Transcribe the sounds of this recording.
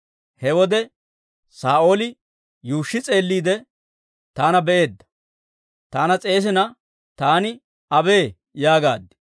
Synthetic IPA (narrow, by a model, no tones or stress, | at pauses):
hɛwɔd̪ɛ | saːʔo̞ːlɪ | juːʃːɪt͡sʼe̞ːlːiːd̪ɛ | t̪aːnɐbɛʔe̞ːd̪ːɐ̥ | t̪aːnɐt͡sʼe̞ːs̬ɪnɐ | t̪aːnɪ | ɐbe̞ː | jaːɡa̰ːd̪ːɪ̥